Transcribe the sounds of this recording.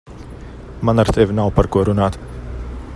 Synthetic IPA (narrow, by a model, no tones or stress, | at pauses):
manaɾt̪ʰevʲinawpaɾkuɔɾunaːt̪